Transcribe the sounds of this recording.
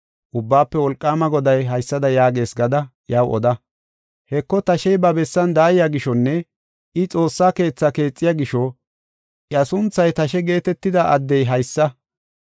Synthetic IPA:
ʔʊbːaːpːɛwɔlkʼːaːmɐɡɔd̪ɐjɦɐjsːɐd̪ɐjaːɡe̞ːsɡɐd̪ɐ | jɐwʔɔ̰d̪ɐ | hɛkːɔt̪ɐʃɛjbɐbɛsːɐnd̪aːjɪjaɡɪʃɔnːɛ | ɪt͡sʼo̞ːsːaːke̞ːt͡sːake̞ːt͡sʼːɪjaɡɪʃɔ | ʔɐsʊnt͡sːɐjt̪ɐʃɛɡe̞ːt̪ɛt̪ːɪd̪ɐʔɐd̪ːɛjɦɐjsːɐ

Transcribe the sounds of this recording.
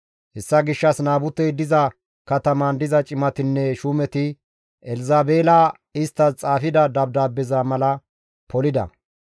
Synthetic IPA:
hɛsːɐɡɪʃːɐsnaːbʊt̪ːɛjd̪ɪzɐ | kɐt̪ɐmɐnd̪ɪzɐt͡ʃʼɪmɐt̪ɪnːɛʃuːmɛt̪ɪ | ɛlzaːbeːlɐ | ɪst̪ːɐt͡sʼaːfɪd̪ɐd̪ɐb̚d̪aːbːɛzaːmɐlɐ | pɔlɪd̪ɐ̰

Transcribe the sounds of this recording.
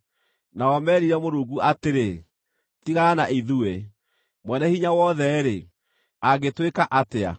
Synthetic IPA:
naɔmɛːɾiɾɛmoɾuːɡuʔateɾe | tiɣaanaʔiðue | mwɛnɛhiɲawɔðɛɾe | aɡetwekaʔatea̰

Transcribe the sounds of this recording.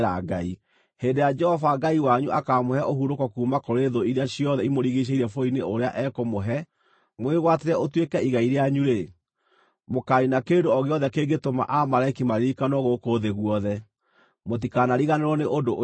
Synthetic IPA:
ɾaɡai | heːndejad͡ʒɛhɔfaɡaiwaɲuʔakamohɛʔoɦuɾokɔkuːmakoɾeðoiɾeaɕijɔðɛimoɾiɣiɕ̬eiɾɛfoineoɾeaʔɛkomoɦɛ | mweɣwateɾɛotwekɛiɣaiɾeaɲuɾe | mokaɾinakendoɔɣeɔðɛkeɡetoma̰ʔamaɾaikimaɾiɾikanɔɣokoðeɣuɔðɛ | mot̬ikanaɾiɣaneɾɔneʔodoʔ

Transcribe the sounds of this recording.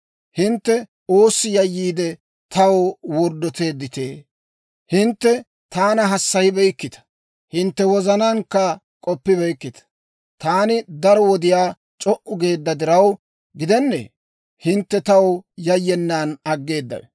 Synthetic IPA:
hɪnt̪ːɛ | oːsːɪjɐjːiːd̪ɛ | t̪ɐwwɔɾd̪ːɔt̪e̞ːd̪ːɪt̪eː | hɪnt̪ːɛ | t̪aːnɐɦɐsːɐjɪbɛjkːɪt̪ɐ̥ | hɪnt̪ːɛwɔzɐnɐŋkːɐ | kʼɔpːɪbɛjkːɪt̪ɐ̥ | t̪aːnɪd̪ɐɾɔwɔd̪ɪjaː | t͡ʃʼɔʔʊɡe̞ːd̪ːɐd̪ɪɾɐw | ɡɪd̪ɛnːḛː | hɪnt̪ːɛt̪ɐwjɐjːɛnːaːnɐɡːe̞ːd̪ːɐ̰j

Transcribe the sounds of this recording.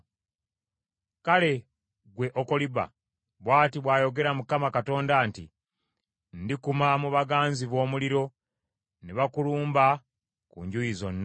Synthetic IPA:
kale̞ | ɡwe̞ʔokoliβa̰ | βwaːtiβwaːjo̞ɡe̞ɾamukamakato̞ːndaːntḭ | ndikumamuβaɡaːnziβo̞ːmuliɾo̞ | neβakuluːmba | kṵɲɟujizo̞nː

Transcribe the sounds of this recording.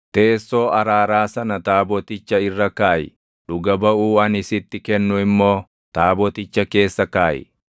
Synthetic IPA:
t̪e̞ːsːo̞ːʔɐɾaːɾaːsɐnɐt̪aːbɔt̪ɪt͡ʃːɐɪrːɐkaːjɪ̰ | ᶑʊɡɐbɐuːɐnɪsɪt̪ːɪkɛnːʊɪmːo̞ː | t̪aːbɔt̪ɪt͡ʃːɐke̞ːsːɐkaːjɪ̰

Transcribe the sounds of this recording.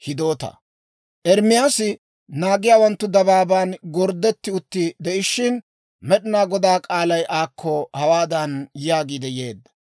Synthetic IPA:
hɪd̪o̞ːt̪ɐ̰ | ʔɛɾmɪjaːsɪ | naːɡɪjaːwɐnt̪ːʊd̪ɐbaːbaːnɡɔɾd̪ːɛt̪ːɪʊt̪ːɪd̪ɛʔɪʃɪn | mɛɗɪnaːɡɔd̪aːkʼaːlɐjʔaːkʰːɔhɐwaːd̪ɐnjaːɡiːd̪ɛje̞ːd̪ːɐ̥

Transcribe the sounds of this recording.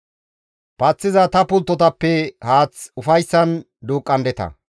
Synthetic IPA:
pɐt͡sːɪzɐt̪ɐpʊlt̪ːɔt̪ɐpːɛhaːt͡sʊfɐjsːɐn | d̪uːkʼːɐnd̪ɛt̪ɐ̰

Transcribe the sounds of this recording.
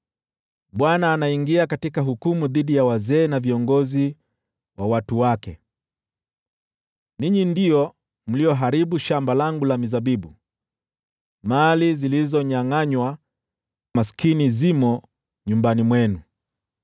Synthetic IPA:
ɓwanaːnaiŋɡiakatikaɦukumuðiɗijawazɛːnaviɔŋɡɔzi | wawatuwakɛ | niɲindiɔ | m̩lijɔɦaɾiɓuʃambalaŋɡulamizaɓiɓu | malizilizɔɲaŋaɲwa | maskinizimɔ | ɲumbanimwɛnu

